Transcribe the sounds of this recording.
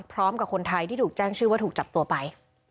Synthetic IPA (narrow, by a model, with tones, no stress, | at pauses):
k̚pʰɾɔː˦˥mka˨˩p̚kʰo˧nt̪ʰa˧jt̪ʰiː˥˩t̪uː˨˩k̚t͡ɕɛː˥˩ŋt͡ɕʰɯː˥˩wa˥˩uː˨˩k̚t͡ɕa˨˩p̚t̪u˧ɐpa˧j